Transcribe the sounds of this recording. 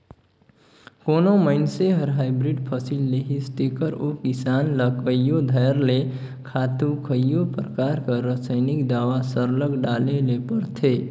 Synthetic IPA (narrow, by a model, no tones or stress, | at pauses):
koːnoməɪnseɦəɾɦaːɪbɾiɖpʰəsilːeɦisʈekəɾokisaːnləkəjjod̪ʱəjɾle | kʰaːt̪ukʰəjjopɾəkaɾkaɾəsəɪnikd̪aːʋasəɾləɡɖaːlelepəɾt̪ʰe